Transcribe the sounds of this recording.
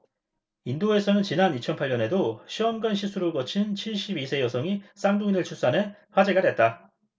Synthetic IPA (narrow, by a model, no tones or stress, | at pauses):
indoe̞sʰʌnɯnt͡ɕinanit͡ɕʰʌnpʰaʎːɲʌne̞doɕʰiʌmɡanɕʰisʰuɾɯɭkʌt͡ɕʰint͡ɕʰiɭɕ͈ibisʰe̞jʌsʰʌŋis͈aŋduŋinɯɭt͡ɕʰus͈ane̞ɸwad͡ʑeɡadwe̞t̚t͈a